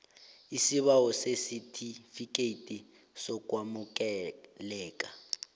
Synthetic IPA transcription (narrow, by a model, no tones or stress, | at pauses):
isiβawɔsesitʰifikʼeitʼi | sɔk̬ʼwamuk̬ʼɛlɛːkʼa